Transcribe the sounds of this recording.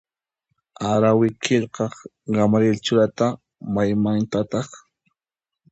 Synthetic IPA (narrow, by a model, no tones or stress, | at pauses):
aɾawɪkʰɪʎqɑχ | ɢamaɾjelt͡ʃʊɾat̪a | majmant̪at̪ɑχ